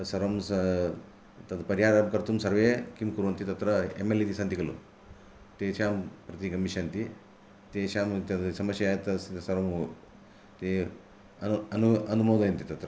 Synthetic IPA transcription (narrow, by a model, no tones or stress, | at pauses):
sɐɾɐmsɐ | t̪ɐd̪ɐpɐɾjaːɾɐmkɐɾt̪umsɐɾʋeːkimkuɾʋɐnt̪it̪ɐt̪ɾɐḛmelit̪isɐnt̪ikɐlṵ | t̪eːʃaːmpɾɐt̪ikɐmiʃɐnt̪i | t̪eːʃaːmt̪ɐd̪sɐmɐsjɐjaːjt̪ɐsit̪sɐɾɐm | t̪i | ɐɐnuɐnumoːd̪ɐjɐnt̪it̪ɐt̪ɾɐ